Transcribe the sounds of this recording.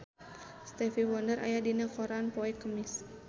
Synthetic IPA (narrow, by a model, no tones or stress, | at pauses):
st̪ɛfiwɔndəɾa̰jadinakɔɾanpɔɛkəmis